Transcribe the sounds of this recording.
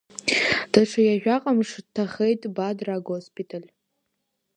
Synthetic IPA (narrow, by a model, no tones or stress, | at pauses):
d̥aʈ͡ʂʰajaʒᶣaqʼamʂdtʰːaχejtʼbadraɡospʰʼitʰalʲ